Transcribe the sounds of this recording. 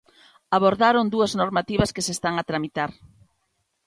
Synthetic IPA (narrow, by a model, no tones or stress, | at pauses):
aβoɾðaɾond̪uɐznoɾmat̪iβɐskesest̪aŋat̪ɾamit̪aɾ